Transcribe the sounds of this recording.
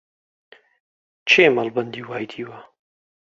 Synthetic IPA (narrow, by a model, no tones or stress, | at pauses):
t͡ʃʰeːmɐlbɐnd̪iːwaːjd̪ʰiːwɐ